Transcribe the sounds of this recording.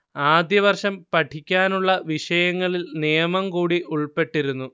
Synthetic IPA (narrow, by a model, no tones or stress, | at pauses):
aːd̪jɐʋɐrʂɐmpɐʈʰikʲːaːnuɭːɐʋiʂɐjɐŋːɐɭilnijɐmɐmkuːɽiʔuɭpe̞ʈːiɾunːu